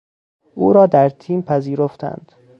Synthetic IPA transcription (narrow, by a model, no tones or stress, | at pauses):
ʔuːɾɒːd̪æɾt̪ʰiːmpʰæziːɾoft̪ʰæ̰nd̪̥